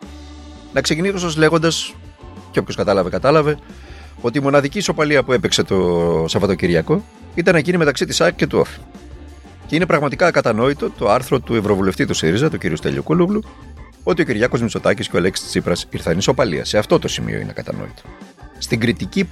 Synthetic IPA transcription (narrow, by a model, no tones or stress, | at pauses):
nɐkse̞cinisosozle̞ɣo̞nd̪ɐs | ceopçoskɐt̪ɐlɐvekɐt̪ɐlɐve̞ | o̞t̪iːmo̞nɐðiciːso̞pɐliɐpue̞pekse̞t̪osɐvɐt̪o̞ciɾʝɐko̞ | it̪ɐnecinime̞t̪ɐksit̪isɐkce̞t̪uo̰fi̥ | ce̞ine̞pɾɐɣmɐt̪ikɐkɐt̪ɐno̞it̪o̞t̪o̞ɐɾθɾo̞t̪ue̞vɾo̞vule̞ft̪it̪usiɾizɐt̪uciɾḭust̪ḛʎṵkuluɣlu | o̞t̪io̞ciɾʝɐko̞zmiso̞t̪ɐcisceoelekst̪i̥t͡sipɾɐsiɾθɐniso̞pɐlḭɐ̰se̞ɐft̪o̞t̪o̞simḭoḭnḛkɐt̪ɐ̰no̰it̪o̥st̪iŋɡɾit̪ici